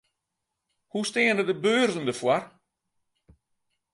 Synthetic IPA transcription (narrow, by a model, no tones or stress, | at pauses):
husteːənədəbøːrdən̩dəfwar